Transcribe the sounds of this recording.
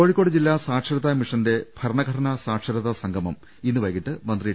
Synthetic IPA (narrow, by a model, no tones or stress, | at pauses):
o̞ːɻikːo̞ːɽɨd͡ʑilːaːsaːʈʂɐɾɐðɐmiʂɐnde̞b̥ʱɐɾɐɳɐɡʱɐʈʰɐnɐsaːʈʂɐɾɐðɐsɐŋɡʱɐmɐm | inːɨʋɐjkːiʈːɨmɐnd̪rijiʈː